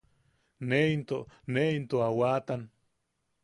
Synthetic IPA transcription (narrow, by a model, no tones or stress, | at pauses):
neint̪oneint̪oawat̪an